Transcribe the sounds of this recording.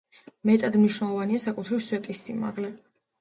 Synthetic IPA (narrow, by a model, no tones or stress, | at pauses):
mɛt̪ʼad̪mniʃnɛlˠɔvaniasakʼut̪ʰɾivswɛt̪ʼist̪sʰʼinma̰ʁlɛ